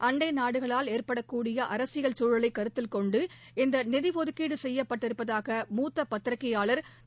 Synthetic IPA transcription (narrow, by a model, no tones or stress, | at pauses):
ʔɐɳɖɐɪnaːɽɯɣɐɭaːleːɾpɐɽɐkːuːɽɪjɐʔɐɾɐsɪɣɐɭt͡ʃuːɻɐlɐɪkːɐɾɯt̪ːɪlkɔɳɖɯ | ɪnd̪ɐnɪðiʋɔðɯkːiːɽɯsɛjːɐpːɐʈːɪɾɯpːɐðaːɣɐmuːt̪ːɐpːɐt̪ːɪɾɐkːɐjaːɭɐɾ